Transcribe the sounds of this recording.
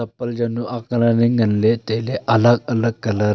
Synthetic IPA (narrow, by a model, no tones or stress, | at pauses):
əpːəld͡ʑanuʔaklaneŋɡʱənlet̪eleʔələɡ̚ələɡ̚kələ